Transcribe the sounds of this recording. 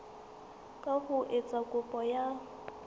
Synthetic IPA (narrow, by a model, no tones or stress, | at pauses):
kʼahʊʔet͡sʼakʼʊpʼɔja